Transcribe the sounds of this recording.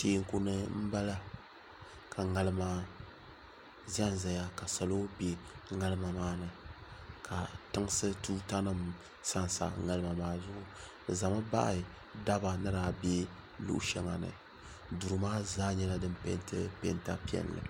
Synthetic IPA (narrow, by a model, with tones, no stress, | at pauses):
teː˨˦ŋ˦ku˦nɨ˦m̩˦ba˦la˦ | kʰa˨ŋa˨lɨ˦maː˦ | za˦n˦za˨ja˦ka˨sa˨lo˦be˦ŋa˦lɨ˦ma˨maː˦nɨ˨kʰa˨tɨ˦ŋ˦sɨ˦tu˦ta˦nɨ˦m | sa˦n˨sa̰˨ŋa˦lɨ˦ma˨maː˦zʊ˦ʔʊ˨ | ɨ˨za˨ma˦ba̰˦ʔa˨ | da˦ba˨nɨ˦ɾa˨bɛ˦ | lṵ˦ʔʃɛ˦ŋa˨nɨ̰˨ | du˨ɾɨ˨maː˦zaː˦ɲɛ˦la˦dɨ˦mpɛ̰˦ntɨ˦pɛ̰˨nta˦pi˦ɛ̰˨n˨lɨ̰˨